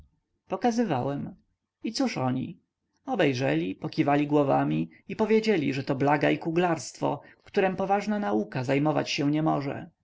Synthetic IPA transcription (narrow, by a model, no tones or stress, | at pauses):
pɔkazɘvawɛm | it̪suʂɔɲḭ | ɔbɛjʐɛlʲipɔkʲivalʲiɡwɔvamʲi | ipɔvʲjed͡ʑelʲḭʐɛt̪ɔblaɡaikuɡlaɾst̪fɔ̰fkt̪uɾɛmpɔvaʐnanaukazajmɔva̰t͡ɕɕɛ̃ɲɛmɔʐɛ̰